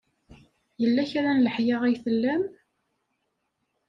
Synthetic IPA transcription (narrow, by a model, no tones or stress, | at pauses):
jəlːæçaɾænləħjɪʁæjθəlːæm